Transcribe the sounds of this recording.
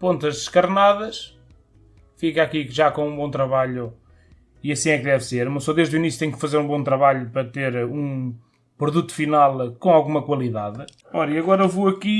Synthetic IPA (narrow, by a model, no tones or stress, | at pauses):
põnt̪ɐʒd̪ɨʃkɐɾnaðɐʃ | fikakiʒakõũbõt̪ɾɐβaʎu | iɐsĩɛk̚ðɛvseɾmɐ̃w̃sɔðeʒðuinisjut̪ẽɲukfɐzeɾũbõt̪ɾɐβaʎupɾɐt̪eɾũ | pɾuðut̪u̥finalˠkõalˠɣumɐkwɐlˠiðað | ɔɾɐiɐɣɔɾɐvoɐki